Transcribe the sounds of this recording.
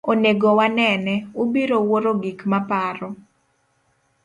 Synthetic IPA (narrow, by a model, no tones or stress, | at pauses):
oneɡowanɛnɛubiɾowoɾoɡikmapaɾɔ